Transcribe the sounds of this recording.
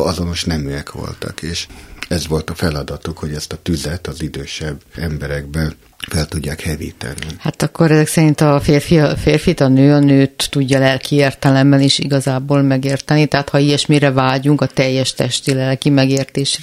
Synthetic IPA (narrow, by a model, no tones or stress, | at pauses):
ɒzo̞no̞ʃnɛmyɛkʋo̞̰lt̪ɒ̰keːʃɛzʋo̞lt̪ɒfɛlɒd̪ɒt̪ukho̞ɟɛst̪ɒt̪yzɛt̪ɒzid̪øːʃɛbːɛmbɛɾɛɡ̚bɛn | fɛlt̪uɟːaːkhɛvḭːt̪ɛ̰nːihat̪ɒkːoɾɛzɛksɛɾint̪ɒfeːrfiɒfeːrfit̪ɒnøːɒnøːt̪ːuɟːɒlɛlkieːrt̪ɛlɛmːɛniʃḭɡɒzaːboːlmɛɡeːrt̪ɛnːit̪ɛɦat̪hɒijɛʃmiːɾɛvaːɟuŋkɒt̪ɛjːɛʃt̪ɛʃt̪ilɛlkimɛɡeːrt̪eːʃrɛ